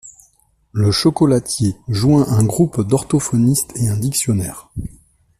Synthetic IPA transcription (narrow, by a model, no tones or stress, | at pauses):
ləʃɔkɔlat̪jeʒwɛ̃ʔɛ̃ɡʁupd̪ɔʁt̪ɔfɔnist̪ʰeɛ̃d̪iksjɔnɛ̰ːʁ